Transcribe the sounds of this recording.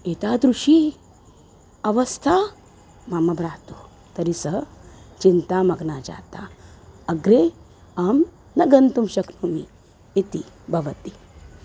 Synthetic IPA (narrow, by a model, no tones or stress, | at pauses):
et̪aːd̪ɾuʂi | ɐʋɐst̪ʰa | mɐmɐbɾaːt̪oː | t̪ɐɾisɐɦət͡ʃint̪amɐɡnaːd͡ʒa̰ːt̪aːɐɡɾe | am | nɐɡɐnt̪umʃɐknomi | it̪ibʱɐʋɐt̪i